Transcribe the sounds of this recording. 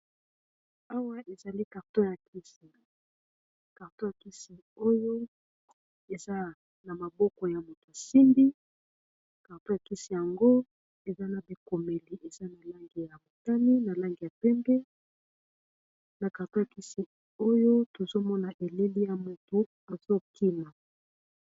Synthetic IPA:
a˦wa˦ʔe˨za˨li˦ka˨ʁto˦ja˨kʰi˦si˨ | ka˨ʁto˦ja˨ki˦si˨ | o˦jo˦ | e˨za˦ | na˨ma˨bɔ˦kɔ˨ja˨mo˨to˨a˨si˦mbi˦ | ka˨ʁto˦ja˨ki˦si˨ja˨ŋɡo˦ | e˨za˦na˨bi˨ko˨me˨li˨ʔe˨za˦na˨la˦ŋɡi˨ja˨bo˨ta˦ni˦na˨la˦ŋɡi˨ja˨pɛ˦mbɛ˦ | na˨ka˨to˦ja˨ki˦si˨ | o˦jo˦to˨zo˦mɔ˦na˨ʔe˨le˦li˦ja˨mo˨to˨ | a˨zo˦ki˦ma˨

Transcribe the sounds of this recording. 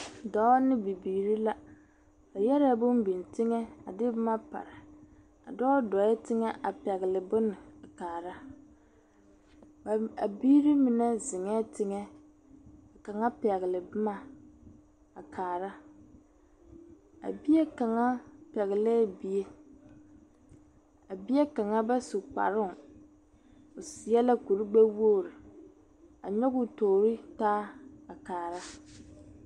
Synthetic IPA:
dɔ˨˦nɪ˦bi˨biː˨ɾi˦la˦ | a˨jɛ˦ɾɛ˦bʊ˦mbi˨n˨tɪ˦ŋɛ˦a̰˨dɪ˦bʊ˦ma˦pa̰˨ɾɪ˨ | a̰˨dɔː˦dɔ˨ɛ˦tɪ˦ŋɛ˦ʔa˨pɛ˨ɣɪ˨lɪ˨bʊ˦nɪ˨a˨kaː˨ɾa˦ | a˨a˨biː˦ɾi˦mi˨nɛ˦zɪ˨ŋɛ˦tɪ˦ŋɛ˦ | a˨ka˨ŋa˦pɛ˨ɣɪ˨lɪ˨bʊ˦ma˨ | a˨kʰaː˨ɾa˦ | a̰˨bi˦je˦ka˨ŋa˦pɛ˨ɣɪ˨lɛː˦˨bi˦e˦ | a˨bi˦je˦ka˨ŋa˦ba˦su˨k͡pa̰˨ɾɪ˦˨ŋ | o˨sɪ˨jɛ˦la˦ku˨ɾi˦ɡ͡bɛ˦wo˦˨ɾɪ˨ | a̰˨ɲɔ˦ɣʊ˨toː˨ɾɪ˦taː˦a˨kaː˨ɾa˦

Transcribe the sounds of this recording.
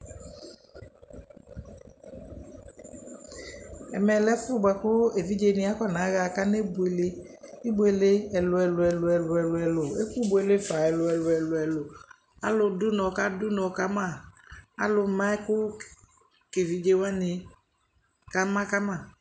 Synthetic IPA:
ɛ̰˨mɛ˨lɛ˦fʊ˦ɡ͡ba˨kʊ˦e˨vi˦d͡ʒe˧˨˦nɪ̃˨˦a˦kɔ˦na˨˦ɣa˨ka˦ne˦bʊ˨˦e˨le˨˦ | i˦bu˦e˨le˦ɛ˨lʊ˧ɛ˧lʊ˧ɛ˨lʊ˨ɛ˨lʊ˨ɛ˨lʊ˨ɛ˨lʊ˨e˦ku˦bʊ˨˦e˨le˦fa˨ɛ˨lʊ˨ɛ˨lʊ˨ɛ˨lʊ˨ɛ˨lʊ˨ | a˦lʊ˧dʊ˦nɔ˨ka˦dʊ˦nɔ˨ka˦ma˦˨a˦lʊ˧mã˦ɛ˦kʊ˦ | ke˨vi˨˦d͡ʒe˧˦wa˦nɪ˧ | ka˦mã˦ka˦ma˦˨

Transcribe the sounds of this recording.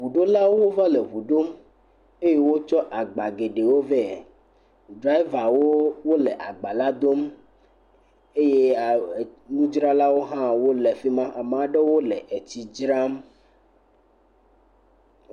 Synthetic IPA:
vu˨ɖo˦la˦wwo˦va˦le˨vu˨ɖo˦m | e˦je˦wo˦t͡ʃɔ˦ʔa˨ɡ͡ba˨ɡe˨ɖe˨wo˦vɛ˦˨ | ɖɾa˦i˦va˨wo˦wo˦lɛ˨ʔa˨ɡ͡ba˨la˦d̪o˦m | e˦je˦˨nũ˦d͡ʒɾa˦la˦wo˦ɦã˦wo˦lɛ˨fi˦mã˦ʔa˨m˨a˨ɖe˦wo˦lɛ˨ʔe˨t͡ɕi˨d͡ʒɾa˦m

